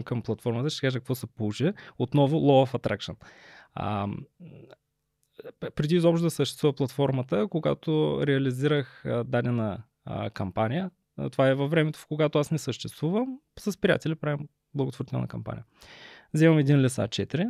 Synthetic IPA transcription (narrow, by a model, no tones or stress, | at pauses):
mkəmplˠɐt̪fɔɾmət̪əʃt̪ɛ̥kaʒəkəkvɔsɛpolˠut͡ʃiot̪nɔvʊlˠɔɐfɐt̪ɾʔakʃən̰ | pɾɛd̪izɔpʃt̪od̪ɐsəʃt̪ɛ̥st̪vuvɐplˠɐt̪fɔɾmət̪əkoɡa̰t̪oɾɛɐliziɾəxd̪anɛnɐ̰ | kɐmpanijə | t̪ovaɛvɐvːɾɛmɛt̪o̥koɡat̪oasnɛsəʃt̪ɛst̪vuvəm | sɐspɾija̰t̪ɛlʲipɾavim | blˠɐɡʊt̪voɾt̪iɛ̰lˠnə̰kɐmpa̰nʲḭəzɛvɐmɛd̪inlʲɛsa̰t͡ʃɛt̪iɾi